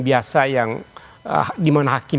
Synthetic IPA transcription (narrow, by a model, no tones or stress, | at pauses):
biasajaŋə̰dimanaɦaki